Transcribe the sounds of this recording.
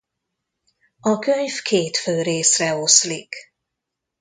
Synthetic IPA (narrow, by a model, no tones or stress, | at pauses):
ɒkøɲfkʰeːt̪føːɾeːsrɛo̞slik